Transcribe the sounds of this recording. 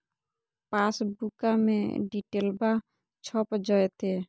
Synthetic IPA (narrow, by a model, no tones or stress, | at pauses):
pasbukamḛ̃ɖiʈelba | t͡ʃʰɔpd͡ʒɔet̪e